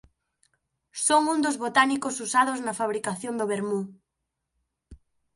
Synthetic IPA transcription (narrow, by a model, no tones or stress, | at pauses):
soŋund̪ozβot̪anikosusaðoznɐfaβ̞ɾikaθjond̪oβeɾmu